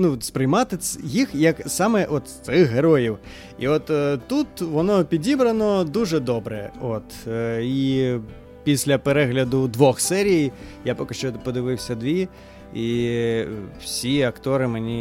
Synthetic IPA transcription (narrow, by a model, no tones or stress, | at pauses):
nuspɾɪjmɑt̪ɪjixjɐksɑmɛʔɔt̪sɪxɦeɾɔjiw | ḭɔt̪ːt̪ːut̪ʋɔnɔpʲidʲibɾɐnɔd̪uʐɛd̪ɔbɾɛɔt̪i | pʲisʲlʲɐpeɾɛɦlʲɐd̪ʊd̪ʋɔxsɛɾʲijjapɔkɐʃt͡ʃɔt̪pɔd̪ɪʋɪwsʲɐd̪ʋʲi | i | wsʲiɐkt̪ɔɾɪmenʲi